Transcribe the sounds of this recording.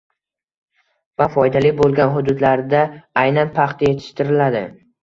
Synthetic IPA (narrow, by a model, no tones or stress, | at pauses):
vafɒjd̪alɪbolˠɡʲanɦʊd̪ʊd̪laɾd̪aajnanpʰɑχt̪aje̞t̪ʰɪ̥ʃt̪ɪɾɪlad̪ɪ̰